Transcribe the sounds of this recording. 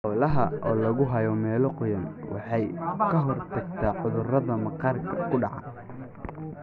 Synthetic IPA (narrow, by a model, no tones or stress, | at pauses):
ħɔːlɐɦɐʔɔːlɐɣʊɦɐjɔmɛːlɔqʊjɐnwɑ̰ħɑjkʰɐɦɔrt̪ʰɐɡt̪ʰaːʕʊðʊrɐðɐmɐqɑːrkʰɐkʰʊɖɑʕɑn